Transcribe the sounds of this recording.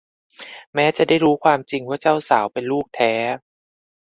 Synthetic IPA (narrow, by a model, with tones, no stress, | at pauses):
mɛː˦˥t͡ɕa˨˩daː˥˩jɾuː˦˥kʰwaː˧mt͡ɕi˧ŋwaː˥˩t͡ɕa˥˩wsaː˩˦wpe˧nluː˥˩k̚t̪ʰɛː˦˥